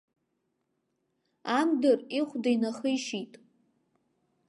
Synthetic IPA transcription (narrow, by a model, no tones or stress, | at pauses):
amdɨriχʷdajnaχəiʃitʼ